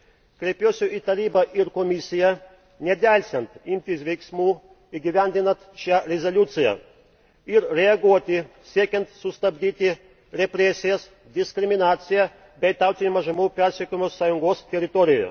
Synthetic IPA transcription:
kɾʲepʲjoːsʲuʔit̪ɐɾʲiːbɐʔiɾkɔmʲisʲɪjɛ | nʲɛd̪ʲælʲsʲɛnt̪imʲt̪ʲisʋʲɛjksʲmuː | iɡʲiʋʲænʲd̪ʲɪnɐt̪ʃjaɾʲɛzɐlʲuːt̪sʲɪjɛ̰ | ɪɾɾʲɛɐɡuɔt̪ʲɪsʲiɛkʲɛnt̪sust̪ɐbd̪ʲiːt̪ʲɪ | ɾʲɛpʲɾʲɛsʲɪjɛs | d̪ʲɪskɾʲɪmʲinaːt̪sʲɪjɛ | bʲɛjt̪awt̪ʲinʲmɐʒɐmuːpʲɛɾʲsʲɛkʲymosaːjuŋɡɔːst̪ʲɛɾʲɪt̪ɔɾʲɪjo̰

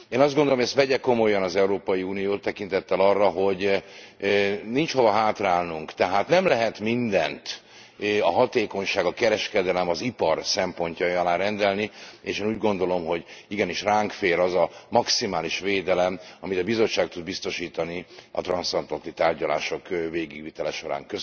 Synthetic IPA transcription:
eːnɒzd̪ɡond̪olomjɛst̪ʋɛɟɛko̞mo̞jːɒnɒzɛuɾoːpɒjiuːnijoːt̪ːɛkint̪ɛt̪ːɛlɒrːɒɦo̞ɟ | nint͡ʃho̞vɒɦaːt̪raːlnuŋkt̪ɛɦaːt̪nɛmlɛɦɛt̪mind̪ɛnt̪ | ɒɦɒt̪eːko̞ɲʃaːɡɒkɛɾɛʃkɛd̪ɛlɛmɒzipɒrsɛmpo̞ɲcɒjɒlaːɾɛnd̪ɛlnieːʃeːnuːɟɡo̞nd̪o̞lo̞mɦo̞ɟiɡɛniʃraːŋkfeːɾɒzɒmɒksimaːliʃʋeːd̪ɛlɛmɒmit̪ɒbizo̞t͡ʃʃːaːk̚t̪ud̪̚bist̪o̞ʃiːt̪ɒniʔɒ̰t̪rɒnsɒnt̪lɒnt̪ːit̪aːrɟɒla̰ːʃo̞kveːɡiɡʋit̪ɛlɛʃo̞ɾa̰ːŋkøs

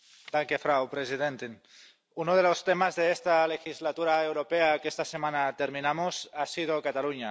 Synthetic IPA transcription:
d̪̥aŋkefɾawpɾesiðent̪in | unoð̞elost̪emazðeest̪alexizlat̪uɾaewɾopeakest̪asemanat̪eɾminamosasið̞okat̪aluɲa

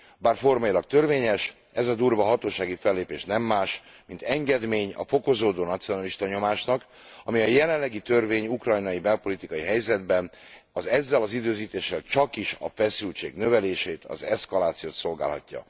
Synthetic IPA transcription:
baːrfo̞rmɒjilɒk̚t̪ø̞rveːɲɛʃ | ɛzɒd̪uːrvɒɦɒt̪oːʃaːɡifɛlːeːpeːʃnɛmːaːʃ | mint̪ɛŋɡɛd̪meːɲɒ̰fo̞ko̞zoːd̪oːnɒt̪sijo̞nɒliʃt̪ɒɲo̞maːʃnɒk | ɒmiɒjɛlɛllːɛɡit̪ø̞rveːɲukrɒjnɒjibɛlpo̞lit̪ikɒjiɦɛjzɛd̪bɛn | ɒzɛzːɛlɒzid̪øːziːt̪eːʃːɛlt͡ʃɒkiʃɒ̰fɛsylt͡ʃḛːɡnø̞vɛleːʃeːt̪ʰɒ̰zɛskɒlaːt̪sijoːt̪so̞lɡa̰ːlɦɒ̰cːɒ̰

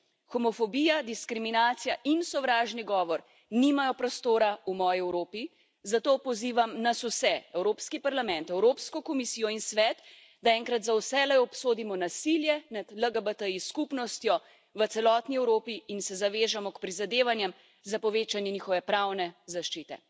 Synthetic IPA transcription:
xɔmɔfɔbijad̪iskɾiminaːt̪sijaʔinsɔʋɾaːʒniɡɔːʋɔɾ | nimajɔpɾɔst̪oːɾaumɔːjiɛwɾoːpi | zat̪oːpɔziːʋamnasusɛɛwɾoːpskipaɾlamɛ̃nt̪ɛwɾoːpskɔkɔmisijɔinsʋɛt̪ | d̪aɛːŋkɾat̪zawsɛlɛɔpsoːd̪imɔnasiljɛnad̪ləɡəbət̪əiskupnɔst̪jɔ | ʋət̪sɛlɔːt̪niɛwɾoːpiinsɛzaʋeːʒamɔkpɾizad̪eːʋanjɛm | zapɔʋeːt͡ʃanjɛniːxɔʋɛpɾawnɛzaʃt͡ʃit̪ɛ̰

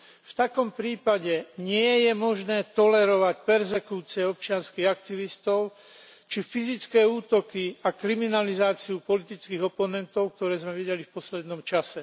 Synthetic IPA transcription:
ft̪akɔmpɾiːpaɟɛɲɪɛjɛmɔʒnɛːt̪ɔlɛɾɔʋacpɛɾzɛkuːt͡siɛɔp̚t͡ʃɪanskiːɣak̚t̪iʋist̪ɔʊ | t͡ʃifizit͡skɛːuːt̪ɔkiakɾiminalizaːt͡siupɔlit̪it͡skiːɣɔpɔnɛnt̪ɔʊk̚t̪ɔɾɛːzmɛʋiɟɛlifpɔslɛd̪nɔmt͡ʃasɛ

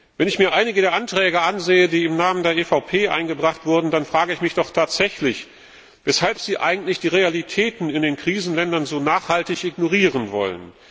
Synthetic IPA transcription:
vɛnɪçmiːɐʔaɪnɪɡədeːɐʔantʁ̥ɛːɡəʔanzeːədiːɪmnaːməndeːɐʔefaʊpʰeːʔa̰ɪnɡəbʁaχtv̥ʊɐdn̩danfʁ̥aːɡəɪçmɪçd̥ɔχtʰaːtz̥ɛçlɪç | vɛshalpz̥iːʔa̰ɪɡŋ̩tlɪçd̥iːʁealitʰɛːtn̩ɪndeːnkʁ̥iːzn̩lɛndɐnzoːnaːχhaltɪçʔɪɡnoʁiːʁənvɔ̰lə̰n

